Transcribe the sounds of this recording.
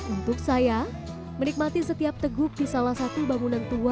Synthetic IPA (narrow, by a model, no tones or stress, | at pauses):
unt̪ʊksaja | mənik̚mat̪isət̪iap̚t̪əɡʊk̚disalahsat̪ubaŋunant̪ua